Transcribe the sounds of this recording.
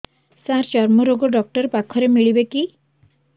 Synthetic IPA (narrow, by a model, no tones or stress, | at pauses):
sãɾt͡ʃɔɾmɔɾoɡɔɖɔk̚ʈɔɾpakʰɔɾemiɭibeki